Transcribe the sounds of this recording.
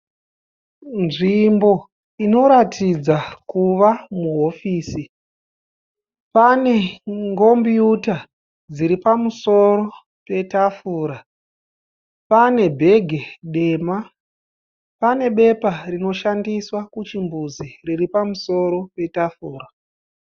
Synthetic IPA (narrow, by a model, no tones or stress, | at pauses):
nʐimbo̞ | ino̞ɾatʰid͡zakuʋamuɦo̞fiːsi | pane̞ŋɡo̞mbiuta | d͡ziɾipamuso̞ɾo̞ | pe̞tafuːɾa | pane̞bʱe̞ɡʱe̞ɗe̞ːma | pane̞ɓe̞parino̞ʃandiswakut͡ʃimbuziriripamuso̞ɾo̞pe̞tafuːɾa